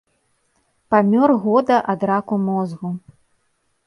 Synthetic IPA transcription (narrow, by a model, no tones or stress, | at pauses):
pamʲɔrɣɔd̪ɐʔad̪ɾakumɔzɣu